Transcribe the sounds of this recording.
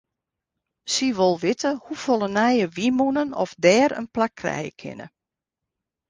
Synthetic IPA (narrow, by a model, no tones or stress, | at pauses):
siʋolˠʋɪtəhufolˠənɛjəʋimunənɔ̰fdɛːɾə̰nplakʰrɛ̰jə̰kʰɪ̰nə̰